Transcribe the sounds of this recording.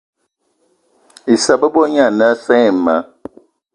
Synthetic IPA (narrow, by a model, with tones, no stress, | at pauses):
i˨sa˨bə˦bɔ˦ɲa˦˨na˦sɛ˦˨ma̰˦